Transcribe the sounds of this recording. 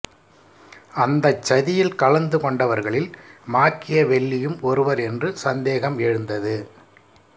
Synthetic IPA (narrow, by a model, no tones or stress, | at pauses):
ɐnd̪ɐt͡ʃːɐðɪjɪlkɐɭɐnd̪ɯkɔɳɖɐʋɐɾɣɐɭɪlmaːkːɪjɐʋɛɭːɪjɯmɔɾɯʋɐɾɛndrɯsɐnd̪eːɣɐmɛɻɯnd̪ɐðɯ